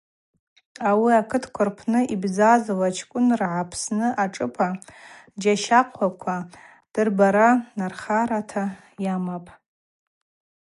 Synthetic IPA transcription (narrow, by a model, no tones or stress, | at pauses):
awiakʰɨtʰkʷʰʊrpʰnɨʔibzazɨlat͡ʃʰkʷʼʊnrʕapʰsnɨʔaʈ͡ʂʼɨpʰad͡ʒaʃaqʷʰakʷʰa | d̥ɨrbaɾanarχaɾatʰa | jamapʼ